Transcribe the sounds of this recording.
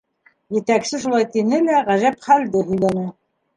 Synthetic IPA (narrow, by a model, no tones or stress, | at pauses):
jɘ̆t̪æksɘʃulˠɑjt̪inɘlæʁæʒæpχæld̪ɘɦɵ̆jlænæ